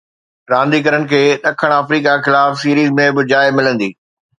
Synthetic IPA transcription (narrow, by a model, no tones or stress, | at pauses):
ɾãːnd̪ikɐɾəɽɪ̆kʰeːɗɐkʰəɽ̃əfɾiːkaxɪlaːfsiːɾiːzmẽbɪd͡ʑaːɪmɪlə̃nd̪iː